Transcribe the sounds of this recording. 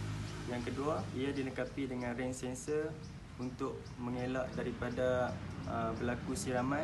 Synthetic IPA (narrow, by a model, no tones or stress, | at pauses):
jaŋkəduaiadinəkapidəŋãnrɛnsɛnsə | unt̪ʊʔ̚ | mə̃ŋelaʔdaɾipadaəbəlakusiɾamã